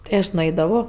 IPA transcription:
tɐɪ ˈɐʃ nʊˈɐɪdɐʋoː

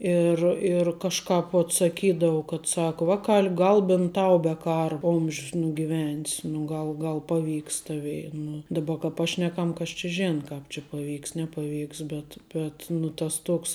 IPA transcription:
ɪr ɪr kɐʃˈkɑːp ʋoːt sɐˈkʲiːdɐʋʊ kɐt ˈsɑːkʊ ˈʋɑːˌkɐlʲ ˈɡɐlˠ bʲɪnt ˈtɐʊ bʲɛ ˈkɑːrɐ ˈoːmʲʃʲs nʊɡʲɪˈʋʲɛnʲs nʊ ˈɡɐlˠ ˈɡɐlˠ ˈpɑːˌʋʲiːks ˈtɑːʋʲɛɪ nʊ ˈdɑːbɐ kɐ ˈpɑːʃʲnʲɛkɐm kɐs t͡ʃʲɪ ˈʒʲæːnɐ ˈkɑːp t͡ʃʲɪ pɐˈʋʲiːks nʲɛpɐˈʋʲiːks ˈbʲɛt bʲɛt nʊ tɐs ˈtoːks

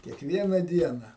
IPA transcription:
kʲiɛkˈʋʲiɛnɐ ˈdʲiɛnɐ

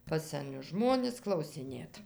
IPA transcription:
pɐs sʲɛˈnʲʊs ˈʒmoːnʲɪs klˠɐʊsʲɪˈnʲeːt

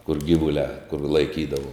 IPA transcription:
kʊr ˈɡʲiːʋʊlʲæː kʊr lˠɐɪˈkʲiːdɐʋʊ

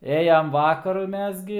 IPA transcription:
ˈeːjɛm ˈʋɑːkɐrʊ ˈmʲɛs ɡʲɪ

